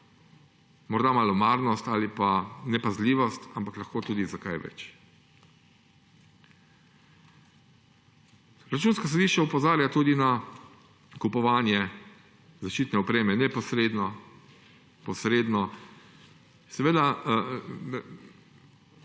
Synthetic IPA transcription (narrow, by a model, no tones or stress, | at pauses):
mɔɾd̪amalɔmaɾnɔst̪alipanɛpazliːʋɔst̪ampaklaxkoːt̪uːd̪izaka̰jʋɛ̰t͡ʃ | ɾat͡ʃuːnskas̬ɔd̪iʃt͡ʃaupɔzaːɾjat̪uːd̪ina | kupɔʋaːnjɛ | zaʃt͡ʃiːt̪nɛɔpɾeːmɛnɛpɔsɾeːd̪nɔ | pɔsɾeːd̪nɔ | sɛʋeːd̪a